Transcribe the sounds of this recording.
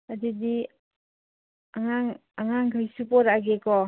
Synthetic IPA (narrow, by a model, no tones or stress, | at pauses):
adidi | aŋaŋaŋaŋɡɯjsupɔɾaɡekɔ